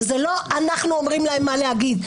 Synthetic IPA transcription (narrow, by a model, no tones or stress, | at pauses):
zelo̞anaχnuomʁimlahemːaleɦaɡid̪